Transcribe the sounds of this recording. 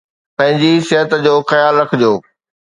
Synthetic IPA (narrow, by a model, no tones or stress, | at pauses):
pɐ̃ɦɪ̃ɲd͡ʑisɪɦət̪d͡ʑoːxɐjaːlɾɐkʰɪd͡ʑjoː